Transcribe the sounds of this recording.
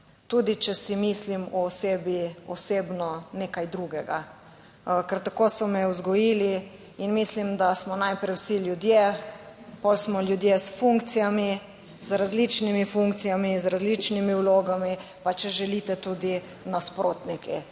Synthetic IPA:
t̪ud̪it͡ʃɛsimislimɔːseːbiɔseːbnɔneːkajd̪ɾuɡɛɡa | kɛɾt̪akosɔmɛuzɡɔjiːli | inmislimd̪asmɔnajpɾɛjwsilʲjud̪je | pɔlsmɔljud̪jesfuŋkt̪sijami | zɾazlit͡ʃnimifuŋkt̪sijamizɾazlit͡ʃnimiwloːɡami | pat͡ʃɛʒɛlit̪ɛt̪uːd̪i | naspɾʔoːt̪nikʰɛ

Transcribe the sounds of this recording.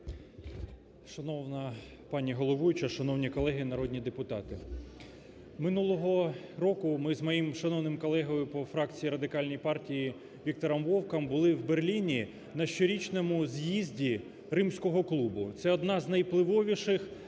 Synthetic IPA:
ʃɐnɔwnɐ | pɑnʲiɦɔlˠɔʋujʊt͡ʃɐʃɐnɔwnʲikɔlˠɛɦɪnɐɾɔd̪ʲnʲid̪epʊt̪ɑt̪ɪ | mɪnulˠɔɦɔɾɔkʊmɪzmɔjimʃɐnɔwnɪmkɔlˠɛɦɔjʊpɔfɾɑkt͡sʲijiɾɐd̪ɪkɑlʲnʲɔjpɑrtʲiji | ʋʲik̚t̪ɔɾɐmʋɔwkɐmbʊlˠɪwberlʲinʲi | nɐʃt͡ʃɔɾʲit͡ʃnɛmʊzʲjizʲdʲi | ɾɪmsʲkɔɦɔklˠubʊt̪sɛɔd̪nɑznɐjplˠɪʋɔʋʲiʃɪx

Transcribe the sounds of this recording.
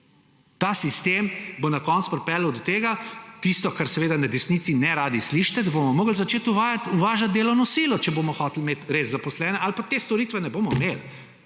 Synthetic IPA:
t̪asist̪eːmbonakɔnt̪spɾpɛːləwd̪ɔt̪eːɡat̪ist̪ɔkaɾsɛʋeːd̪anad̪ɛsnit̪sinɛɾaːd̪isliʃt̪ɛd̪abomɔmoːɡl̩zat͡ʃeːt̪uʋaːjat̪uʋaːʒat̪̚d̪eːlɔwnɔsiːlɔt͡ʃɛboːmɔxɔt̪lmeːt̪ɾeːzzapɔslɛːnɛʔalpat̪eːst̪ɔɾiːt̪ʋɛnɛboːmɔimel

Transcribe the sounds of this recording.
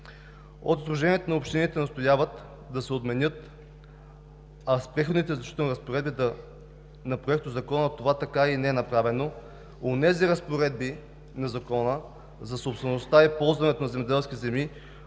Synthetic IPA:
o̰t̪t̪ɾoʒɛnʲiɛt̪onɐopʃt̪init̪ɛnɐst̪ojavət̪ | d̪ɐsɛot̪mɛnjɤt̪ | ɐspɾɛxod̪nit̪ɛzɐʃt̪i̥t̪ənɾəspoɾɛd̪bit̪ɛ | nɐpɾoɛk̚t̪ozɐkɔnət̪ovat̪ɐkainɛɛnɐpɾavɛno | onɛziɾɐspoɾɛd̪̚bi | nɐzɐkɔnə | zɐsopst̪vɛnost̪aipɔlˠzvɐnɛt̪onɐzɛmɛd̪ɛlˠskʲit̪zɛmi

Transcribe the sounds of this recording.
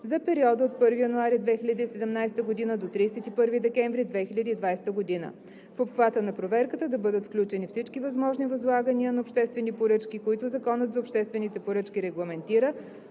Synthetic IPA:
zɐpɛɾiɔd̪əot̪̚pɤɾvijənuaɾid̪vɛxiʎʲəd̪iːsɛd̪ɛmnajst̪əɡod̪inəd̪ot̪ɾiːsɛt̪ipɤɾvid̪ɛkɛɱvɾid̪vɛxilʲəd̪iːd̪vajst̪əɡod̪inə̰ | fopxvat̪ənɐpɾovɛɾkət̪əd̪ɐbɤd̪ət̪fklʲut͡ʃɛnifsit͡ʃkivɐzmɔʒnivɐzlˠaɡəniənɐopʃt̪ɛst̪vɛnipoɾɤt͡ʃkikoit̪ʊzɐkɔnət̪zɐopʃt̪ɛst̪vɛnit̪ɛpoɾɤt͡ʃkʲiɾɛɡlˠɐmɛnt̪iɾə

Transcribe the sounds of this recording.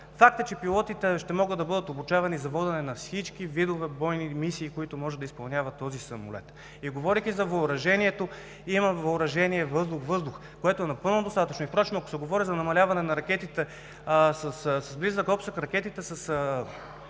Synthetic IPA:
fak̚t̪ət͡ʃɛpilˠɔt̪it̪ɛʃt̪ɛmɔɡəd̪ɐbɤd̪ət̪obut͡ʃavɐnizɐvɔd̪ɛnɛnɐfsit͡ʃkivid̪ovɛbɔjnimisiːkoit̪omɔʒɛd̪ɐispɐlˠnʲavɐt̪ːɔzisɐmo̰lɛ̰t̪ | iɡovɔɾikʲizɐvɐʊɾɐʒɛniɛt̪o | imɐvɐʊɾɐʒɛniɛvɤzd̪ʊxvɤzd̪ʊx | koɛt̪oɛnɐpɤlˠnod̪ost̪at̪ət͡ʃnoipɾɔt͡ʃnoɐko̥sɛɡovɔɾizɐnɐmɐlʲavɐnɛnɐɾɐkʲɛt̪it̪ɛ | sɐssɐzblizəkɔpsəkɾɐkʲɛt̪it̪ɛsɐs

